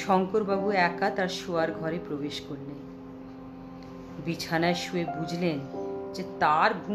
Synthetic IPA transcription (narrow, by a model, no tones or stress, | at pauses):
ʃɔŋkoɾbabuɛkat̪aɾʃuaɾɡʱɔɾepɾobeʃkoɾlen | bit͡ɕʰanaeʃuebud͡ʑʱlend͡ʑet̪aɾbʱu